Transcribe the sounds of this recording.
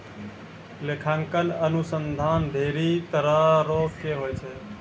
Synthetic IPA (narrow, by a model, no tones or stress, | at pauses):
lekʰaŋkənənusənd̪ʱaːnb̪ʱeɾit̪əɾaɾokkeɦojt͡ʃʰɛ